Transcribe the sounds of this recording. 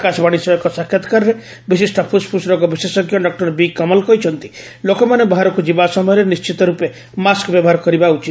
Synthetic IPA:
kasɔbaɽ̃isɔɔkɔsakʰːjat̪ɔ̥kaɾɔɾe | bisisʈɔpʰuspʰusɾɔkɔbisesɔɡjɔɖɔk̚ʈɔɾbikɔmɔlkɔɦit͡ʃʰɔnt̪i̥ | lokɔmanebɔɦaɾɔkud͡ʒibasɔmɔjɔɾenist͡ʃit̪ɔɾupe | maskbjɔbɔɦaɾɔkɔɾibaut͡ʃit̪

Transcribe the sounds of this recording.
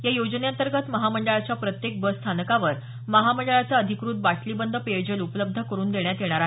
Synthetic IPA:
jajod͡zneant̪əɾɡət̪məɦaməɳɖəɭat͡ɕjapɾət̪jek̚bəst̪ʰanəkaʋəɾ | məɦaməɳɖəɭat͡saəd̪ʱikɾuːt̪̚baʈʰliːbənd̪ʱəped͡ʑəlupələb̚d̪ʱəkəɾuːnd̪eɳjat̪jeɽ̃aɾa

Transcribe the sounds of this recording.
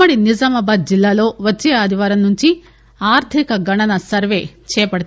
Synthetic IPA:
ɐɽinid͡ʒamɐbaːd̪̚d͡ʒilːaːlo̞ːʋɐt͡ʃːeːaːd̪iʋaːɾɐmnuɲt͡ʃi | aːɾt̪ʰikɐɡɐɳɐnɐsɐɾʋe̞ːt͡ʃɛːɐpɐɽɐt̪

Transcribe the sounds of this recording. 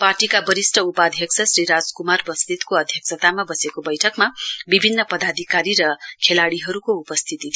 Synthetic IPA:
parʈikabʌɾisʈʌupad̪ʱjʌksʰʌsriɾad͡zkumarbʌst̪it̪koʌd̪ʱjʌksʰʌt̪amabʌsekobʌjʈʰʌkmabibʱinːʌpʌd̪ad̪ʱikaɾiɾʌkʰelaɽiɦʌɾukoupʌst̪ʰit̪it̪ʰ

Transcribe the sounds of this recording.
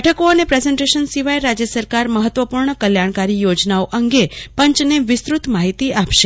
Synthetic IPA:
ʈʰəkoənepɾezeɳʈeʃənsiʋajeɾad͡ʒjəsəɾkaɾməɦət̪ʋəpuɾɳəkəljaɽ̃kaɾijod͡ʒnaoʔəŋɡepə̃ɲt͡ʃneʋɪst̪ɾut̪maɦit̪iapʃe

